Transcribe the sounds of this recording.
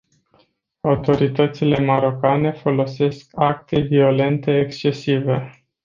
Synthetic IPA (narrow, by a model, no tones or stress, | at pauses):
awt̪o̞ɾit̪ət̪sile̞maɾo̞kane̞fo̞lo̞se̞skak̚t̪e̞vio̞le̞nt̪e̞ːkst͡ʃe̞sive̞